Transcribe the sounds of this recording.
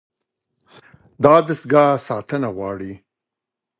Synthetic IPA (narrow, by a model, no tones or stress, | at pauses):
d̪ɑd̪əsɡɑsɑt̪ənawɑɽi